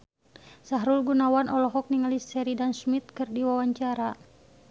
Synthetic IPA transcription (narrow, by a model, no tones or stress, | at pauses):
saɦɾulɡunawanʔɔlɔɦɔk̚niŋalisɛɾidansmit̪̚kɨrdiwawaɲt͡ʃaɾa